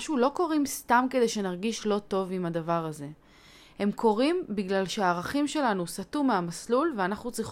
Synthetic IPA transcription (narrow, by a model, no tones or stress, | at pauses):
ʃuloko̞ʁimst̪amke̞de̞jʃe̞naʁɡiʃlo̞to̞vimadavaʁaze̞ | he̞mkʰo̞ʁimbiɡlalʃeaːʁaχimʃe̞lanusatumeamaslulveanaχnut͡sʁiχ